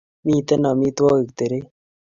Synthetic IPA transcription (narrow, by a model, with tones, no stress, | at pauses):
miː˦t̪e˦na˨mi˦t̪waː˦i˨k̚t̪e˨ɾe˦